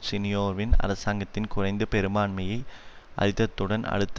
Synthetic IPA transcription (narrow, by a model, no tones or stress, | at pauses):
sɪnɪjoːɾʋɪnɐ̰ɾɐsaːŋɡɐt̪ːɪnkʊrɐɪnd̪ɐpɛɾɯmaːɳmɐjɐɪʔɐ̰ɻɪt̪ːɐt̪ːɯɽɐnɐ̰ɽɯt̪ː